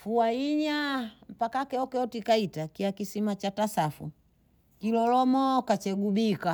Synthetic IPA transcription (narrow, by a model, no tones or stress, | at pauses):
fuaiɲam̩pakakɛɔkɛɔtikaitakiakisimat͡ʃatasafṵ | kilɔlɔmɔkat͡ʃɛɡubika